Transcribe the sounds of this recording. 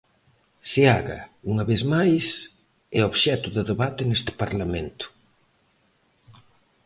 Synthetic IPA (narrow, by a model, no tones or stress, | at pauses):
sɪaɣɐ̰uŋɐβezmajs | ɛoβʃɛt̪ʊðɪðeβat̪ɪnest̪ɪ̥paɾlament̪ʊ̥